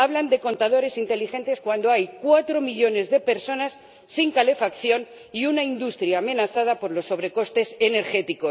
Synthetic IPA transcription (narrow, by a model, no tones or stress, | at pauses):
aβland̪e̞ko̞nt̪að̞o̞ɾe̞sint̪e̞lixẽ̞nt̪e̞skwand̪o̞ajkwat̪ɾo̞miʎo̞ne̞zðe̞pe̞ɾso̞nasː | iŋkale̞fakθjo̞n | iunaind̪ust̪ɾjaːme̞naθað̞apo̞ɾlo̞sːo̞β̞ɾe̞ko̞st̪e̞sene̞ɾxe̞t̪iko̞s